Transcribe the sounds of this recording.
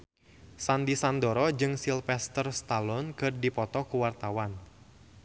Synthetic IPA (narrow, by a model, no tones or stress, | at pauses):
sandisandɔɾɔd͡ʒɨŋsilfɛst̪ərst̪alɔnkɨrdipɔt̪ɔkuwart̪awan